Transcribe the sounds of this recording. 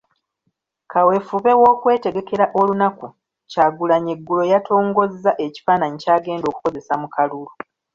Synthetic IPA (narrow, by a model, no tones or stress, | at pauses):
kʰawe̞fuβe̞wo̞ːkwe̞ːte̞ɡe̞ke̞ɾaʔo̞lunaku | caɡulaɲeɡːulo̞jatʰo̞ːŋɡo̞zːaʔe̞ci̥fanaɲicaːɡe̞ːndo̞ːku̥ko̞ze̞samukʰalulu